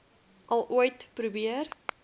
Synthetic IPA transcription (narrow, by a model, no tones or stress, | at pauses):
ʔɐlˠuəjtprubiər